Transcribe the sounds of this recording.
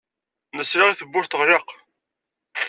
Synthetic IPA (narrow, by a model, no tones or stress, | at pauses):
nəsɾaʁiθəbːʊɾθəʁɾeq